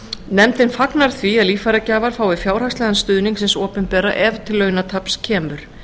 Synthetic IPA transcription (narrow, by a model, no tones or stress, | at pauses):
nɛmt̪ɪnfaknaɾ̥θviaðliːfaɾacaːvaɾ̥faːwvɪfjaːwɾ̥akstlɛːðanst̪ʏðniŋksɛnsɔːpʏnpɛːɾa̰ʔɛvt̪ʰɪlːœːɥnat̪ʰapscʰɛːmʏɾ̥